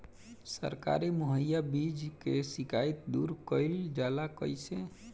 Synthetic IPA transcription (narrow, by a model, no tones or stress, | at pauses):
sə̰ɾka̰ɾimoɦəjːabid͡ʒkesikajt̪̚d̪uɾkəɪld͡ʒalakə̰jsẽ